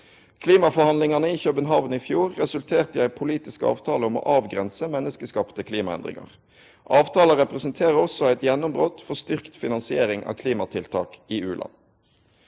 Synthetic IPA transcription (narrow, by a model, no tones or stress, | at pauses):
kʰliːmɑfɔhɑnlɪŋɑnəiːçœbənɦɑːʋn̩iːfjuːʁːɛsʉlt̪ʰeːʁt̪əjæɪpʰʊliːt̪ɪskɑ̰ːʋt̪ʰɑːləɔmo̰ːʔɑːʋɡʁɛnsəmɛnːəskəskɑːpt̪əkʰliːmɑɛ̰nd̪ʁɪ̰ŋɑ̰ʁ | ʔɑːʋt̪ʰɑːləʁɛpʁɛsnt̪ʰeːʁəɔsɔæɪt̪jɛnːʊmbʁoːt̪fɔʁst̪ʏʁkt̪fɪnɑnsɪeːʁɪŋʔɑ̰ːkʰliːmɑt̪ʰɪlt̪ʰɑ̰ːkiːʉːlʔɑ̰n